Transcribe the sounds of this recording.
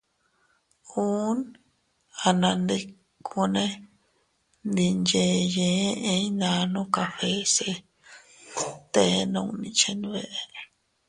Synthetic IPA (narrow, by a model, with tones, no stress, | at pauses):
ũ˦n | a˧nã˧nd̪i˧ | kʰu˧nẽ˦ | nd̪i˧nd͡ʒe˧˦jẽː˨˦ʔẽ˧˦nã˧nũ˦ka˧ɸe˦se˧ | t̪e˧˦nũ˧˨nĩ˧t͡ʃe˧ni˧βe˦˨ʔe˧